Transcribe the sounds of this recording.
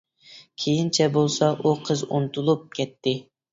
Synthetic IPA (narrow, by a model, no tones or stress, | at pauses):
kʲʰejint͡ʃʰɛbolˠsɑʔuqʰəzunt̪ʰulˠup̚kʲɛt̪ːɪ